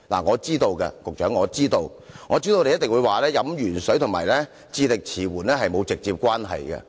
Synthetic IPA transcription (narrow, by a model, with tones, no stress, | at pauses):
la̰ː˨˩ŋɔː˨˧t͡siː˥t̪o˧wkɛ̰˧kʊ˨k̚t͡ʃœː˨˥ŋɔː˨˧t͡siː˥t̪o˧w | ŋɔː˨˧t͡siː˥t̪o˧t̪e˨jɐ˥t̪ɪ˨˩ŋwuː˨˧jwaː˨lɛː˥jɐ˨˥mjyː˨˩nsɵ˨˥jt̪ʰʊ˨˩ŋmaː˨˩jlɛː˥ | t͡siː˧lɪ˨k̚t͡sʰiː˨˩wuː˨˩nɛː˥ɦɐ˨jmo˨˧wt͡sɪ˨k̚t͡siː˧p̚kʷwaː˥nɦɐ̰˨jkɛ̰˧